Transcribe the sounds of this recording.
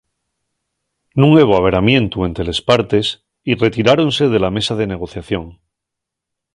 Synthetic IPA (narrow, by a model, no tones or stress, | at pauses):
nũŋe̞βoaβ̞e̞ɾamjẽ̞nt̪ue̞nt̪ele̞spaɾt̪e̞s | ire̞t̪iɾaɾo̞nse̞ð̞e̞lame̞sað̞e̞ne̞ɣ̞o̞θjaθjo̞ŋ